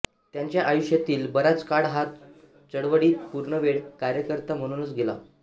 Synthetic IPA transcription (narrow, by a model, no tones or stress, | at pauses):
t̪jaɲt͡ɕjaʔajuʂjat̪iːlbəɾat͡skaɽɦat̪ | t͡səɽʋəɽiːt̪̚puɾɳəʋeɽkaɾjəkəɾt̪am̤əɽ̃unət͡sɡela̰